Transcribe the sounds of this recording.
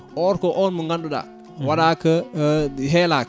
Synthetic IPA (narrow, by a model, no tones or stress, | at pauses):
ʔɔːɾkɔʔɔnmuŋɡanɗuɗa̰ | waɗakə | ɦɛlaːk